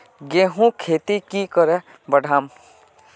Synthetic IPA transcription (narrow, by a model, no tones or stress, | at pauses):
ɡẽːɦũkʰeːt̪ikikəɾɛ | bəɖʱaːm